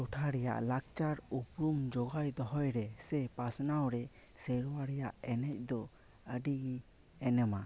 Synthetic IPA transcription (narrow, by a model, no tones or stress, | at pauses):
tɔʈʰaɾɛja̰ʔlak̚t͡ʃaɾupɾumd͡ʒɔɡajd̪ɔɦɔjɾɛsɛpasnawɾɛ | sɛɾwaɾɛjaʔɛnɛc̚ˀd̪ɔ | əɖiɡi | ɛnɛma